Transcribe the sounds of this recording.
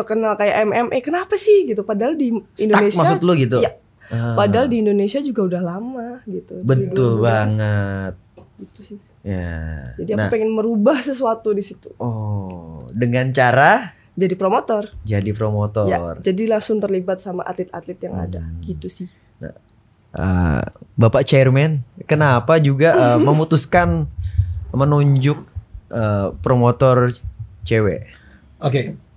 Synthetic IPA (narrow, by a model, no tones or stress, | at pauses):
ɔkənalkaja̰ʔɛmɛmʔekənapasɪhɡit̪upadaldiindoankes̚maasʊt̪əlʊɡit̪̬uja | əpadaldiːndonesiad͡ʒuɡaudahlamaɡit̪ubənitd̪ʊlbaŋət̪̚ɡ̥it̪usɪh | ja̰d͡ʒadiaŋnpeŋɛnməɾubahsəs̬uat̪udisit̪uɔ | dəŋant͡ʃaɾa | d͡ʒadipɾomot̪ɔrd͡ʒadipɾomot̪ɔjard͡ʒadilaŋsʊŋt̪ərlibat̪̚sama̰ʔat̪lɪt̪̚at̪lɪt̪̚jaŋa̰da̰ɡit̪usɪh | na̰ | ʔə̰bapaʔt͡ʃɛrmɛnkənapad͡ʒuɡaʔəməmut̪uskan | mənuɲd͡ʒʊk̚əpɾomot̪ɔrt͡ʃewḛ | oke